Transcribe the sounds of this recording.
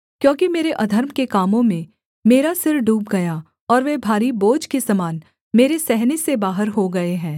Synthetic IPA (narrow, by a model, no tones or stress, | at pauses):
kjõːkimeːɾeʔɐd̪ʱəɾmkekaːmõmẽ | meːɾasɪɾfɖuːp̚ɡɐja | ɔːɾʋɛbʱaːɾiboːd͡ʒkesɐmaːn | meːɾesɛɦnesebaːɦəɾɦoɡɐeɦɛ̃ː